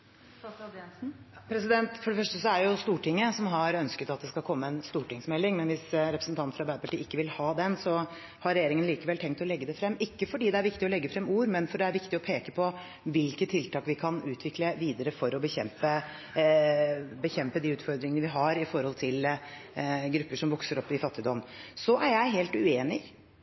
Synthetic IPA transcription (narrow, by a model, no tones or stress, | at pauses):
ɛpʰɾɛsɪd̪ɛnt̪fɔɖɛfœʂʈəsɔæɾjʊst̪uːʈɪŋːəsɔmɦɑɾœnskət̪ɑt̪̚d̪ɛskɑlkʰɔmːəɛnst̪uːʈɪŋsmɛlːɪŋmɛnʋɪsɾɛpɾəsn̩t̪ɑnfɾɑɾbæɪd̪əpɑʈiːɪkːəʋɪlhɑːd̪ɛnsɔ | hɑɾɛjeːɾɪŋənliːkəʋɛlt̪ʰɛŋk̚t̪ɔlɛɡːəd̪ɛfɾɛmːɪkːəfɔɖiːd̪ɛæɾʋɪkt̪ɪɔlɛɡːəfɾɛmuːɾmɛnfɔɖɛæɾʋɪkt̪ɪɔpʰeːkəpʰɔ | ʋɪlkət̪ʰːɪlt̪ɑːkʋɪkʰɑnʉːt̪ʰʋɪkləʋiːd̪əɾəfɔɾɔbəçɛmpə | bəçɛmpəd̪iːʉːt̪fɔɾd̪ɾɪŋənəʋɪɦɑɾɪfɔɾhɔlt̪ʰɪl | ɡɾʉpːəʂɔmʋɔksəɾɔpːɪfɑt̪ːɪd̪ɔmsɔʔæɾjæɪɦeːlt̪ʉeːnɪ